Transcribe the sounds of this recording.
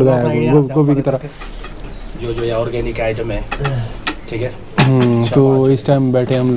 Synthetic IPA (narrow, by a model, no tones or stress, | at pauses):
ɡaɡoɡobʱikit̪ɐɾə | d͡ʒod͡ʒoeɔːɾɡɛːnɪkaːɪʈəmɦɛ̃ː | ʈʰiːkɦɛː | t̪oɪsʈaɪmbɛːʈʰẽɦɐm